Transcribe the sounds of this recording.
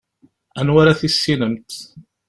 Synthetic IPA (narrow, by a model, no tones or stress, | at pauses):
ænwaɾaθisːinəmt̪